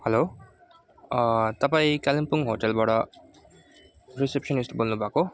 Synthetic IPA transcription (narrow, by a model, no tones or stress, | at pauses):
hʌlo | t̪ʌpaĩkalimpuŋɦoʈelbaʈʌ | risep̚sʌnisʈbolnubʱako